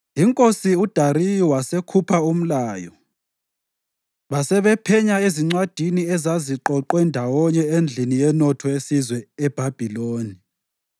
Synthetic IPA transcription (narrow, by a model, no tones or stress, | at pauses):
iŋkʼosiud̥ʱaɾijiwasekʰupʰaum̩laːjɔ | βasɛβɛpʰɛɲaeziŋ͡ǀwad̥ʱiniɛzaziǃɔǃwɛndʱawɔɲɛend͡ɮʱinijɛnɔtʰɔesizwɛɛb̥ʱab̥ʱiloːni